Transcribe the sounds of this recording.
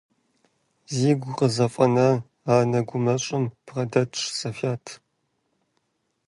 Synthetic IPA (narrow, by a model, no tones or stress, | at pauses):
ziːɡʷʊqəzɐfʼɐnɐ | aːnɐɡʷʊmɐɕʼɪmpʰʁɐdɐtʰʂsʼɐfaːtʰ